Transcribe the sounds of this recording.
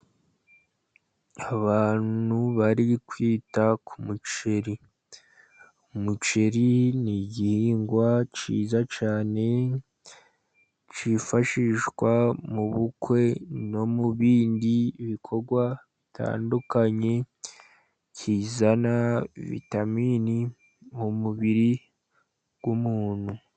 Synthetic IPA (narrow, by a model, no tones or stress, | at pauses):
aβaːnuβaɾikwiːtakʰumut͡ʃe̞ɾi | umut͡ʃe̞ɾiniɟihiːŋɡwat͡ʃḭːzat͡ʃaːne̞ | t͡ʃifaʃiʃɡwamuβukwe̞no̞muβiːndiβikʰo̞ɡwaβitʰa̰ːndukaɲe̞ | cʰiːzanaβḭtamiːni | mumuβiɾi | ɡ̥wumuːn̥hu